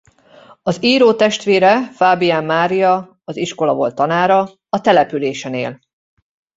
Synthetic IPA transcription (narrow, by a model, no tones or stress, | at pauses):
ɒziːɾoːt̪ɛʃt̪ʋeːɾɛfaːbijaːmːaːɾijɒ | ɒziʃko̞lɒvo̞̰lt̪ːɒnaːɾɒ | ɒt̪ɛlɛpyleːʃɛneːl